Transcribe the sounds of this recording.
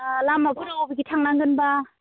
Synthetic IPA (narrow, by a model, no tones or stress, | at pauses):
lamabɯɾabɯɡitʰaŋnaŋɡɯnba